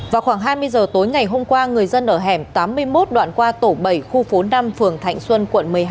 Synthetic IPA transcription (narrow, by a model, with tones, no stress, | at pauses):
vaː˨˩wxwaː˧˩ŋɦaː˧jmɨ˧əjzəː˨˩t̪o˨˦jŋa˨˩jɦo˧mkwaː˧ŋɨ˨˩əjzə˧nʔəː˧˩ɦɛ˧˩mt̪aː˨˦mːɨ˧əjmo˦˥t̚ɗwa̰ː˧˨nkwaː˧t̪o˧˩ɓə˧˩jxu˧fo˨˦na˧mfɨ˨˩əŋt̪ʰa̰˧˨jŋ̟swə˧nkwə̰˧˨nmɨ˨˩əjɦ